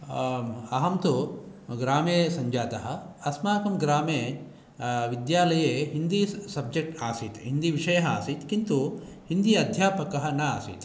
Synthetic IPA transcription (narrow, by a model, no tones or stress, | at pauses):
ɐɦɐmt̪uɡɾaːmeːsɐɲd͡ʒaːt̪ɐɦɐɐsmaːkɐmɡɾaːmeː | ʋid̪jaːlɐjeːɦind̪isɐb̚d͡ʒek̚ʈaːsit̪ɦind̪iʋiʂɐjɐɦɐa̰ːsit̪kint̪u | hind̪ijɐd̪ʱjaːpɐkɐɦɐnɐa̰ːsḭt̪